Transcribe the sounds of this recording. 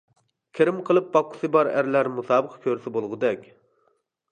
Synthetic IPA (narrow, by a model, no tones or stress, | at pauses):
kʲʰeɾɪmqʰəlˠɨp̚bɑqʰːʊ̥sɨbɑɾæ̰ɾlæɾmusɑːbəqʰkʲʰøɾsɪbolˠʁʊd̪ɛkʲ